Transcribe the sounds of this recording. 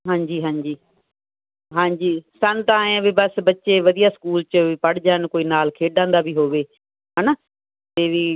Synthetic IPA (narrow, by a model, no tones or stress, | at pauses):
ɦãːɲd͡ʑiːɦãːɲd͡ʑiː | ɦãːɲd͡ʑiːsə̃nt̪aẽʋɪbəsbɐtːʃeʋɐd̪ijaskuːlt͡ʃəpɐɽd͡ʒaːnkoːinaːlkʰeːɖãːnd̪abʱiɦoːʋeː | ɦaːna | t̪eːʋiː